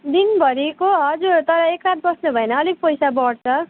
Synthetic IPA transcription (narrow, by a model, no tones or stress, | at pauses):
d̪inbʱʌɾikoɦʌd͡zuɾt̪ʌɾʌekrat̪̚bʌsnubʱʌenʌːlik̚pʌjsabʌɽt͡sʰʌ